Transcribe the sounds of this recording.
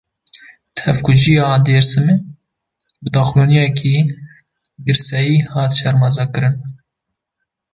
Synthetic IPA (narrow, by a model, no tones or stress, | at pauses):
t̪hɛvkʰʊʒijɑːd̪eːɾsɨme | bɨd̪ɑːxjoːnijɛkʰi | ɡɨɾsɛjiːhɑːt̪ʃɛɾmɑzɑkɨɾɨn